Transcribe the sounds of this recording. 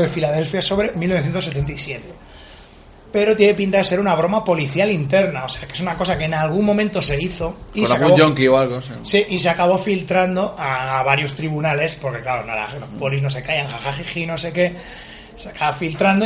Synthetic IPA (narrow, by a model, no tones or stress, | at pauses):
ðefilaðe̞lfjaso̞βɾemilno̞θjent̪oset̪e̞nt̪aisje̞t̪e | pe̞ɾot̪jenepint̪aðese̞ɾunaβ̞ɾo̞mapo̞liθjalint̪e̞ɾnaose̞akee̞sunako̞sakeːnalɣ̞ummːõ̞mẽnt̪o̞se̞iθo̞iealaɣaũβd͡ʒoŋkioalɣos | siʔis̬eakaβ̞o̞filt̪ɾand̪o̞aːβ̞aɾjo̞st̪ɾiβunale̞spo̞ɾke̞klaɾona̰la̰lo̞sppo̞lizno̞se̞kajaŋxaxaxixino̞se̞ke̞ | seakaβafilt̪ɾand̪o